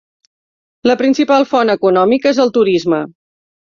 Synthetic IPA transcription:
ləpɾinsipalˠfɔnəkunɔmikezəlˠt̪uɾizmə

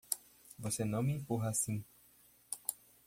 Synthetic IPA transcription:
vosenɐ̃w̃mĩpuɦasĩ

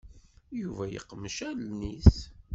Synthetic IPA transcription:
juvæjə̰qːməʃælniθ

